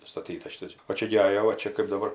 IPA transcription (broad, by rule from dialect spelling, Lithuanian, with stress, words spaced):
ˈstɑːtʲiːtɐs ˈʃʲɪtɐs oː ˈt͡ʃʲɛ ɡʲɪ ˈɑːjoː ʋɐ ˈt͡ʃʲɛ kɜp dɐˈbɐr